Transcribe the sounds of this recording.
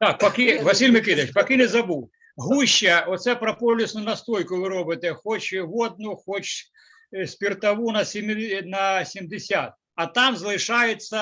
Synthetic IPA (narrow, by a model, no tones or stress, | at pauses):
t̪ɑk̚pɐkɪʋɐsʲilʲmɪkɪd̪ɐt͡ʃpɐkɪnɛzɐbuw | ɦuʃːɐɔt̪sɛpɾɐpɔlʲisnʊnɐst̪ɾɔjkʊʋɪɾɔbɪt̪ɛxɔt͡ʃʋɔd̪̚nʊxɔt͡ʃ | sʲpʲirt̪ɐʋunɐsʲmnɐsʲimd̪ɪsʲat̪̚ | ɐt̪ɑmzlˠɪʃɑjet͡sʲːɐ